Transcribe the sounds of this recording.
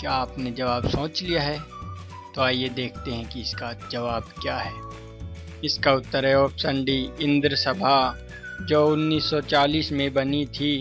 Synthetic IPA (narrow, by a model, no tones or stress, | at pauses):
kjaaːpned͡ʒɐʋaːbsõːt͡ʃlijaɦɛ | t̪oaːjed̪eːkʰt̪eɦɛ̃kiɪskad͡ʒɐʋaːbkjaːɦɛː | ɪskaʊt̪ːəɾɛoːpsə̃ɳɖiɪ̃nd̪ɾəsɐbʱa | d͡ʒoːʊnːiːsːɔt͡ʃaːliːsmẽbɐnit̪ʰi